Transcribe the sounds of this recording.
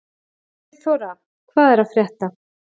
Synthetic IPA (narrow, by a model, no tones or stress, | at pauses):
θɔɾa | kʰvaːðɛɾafɾjɛht̪a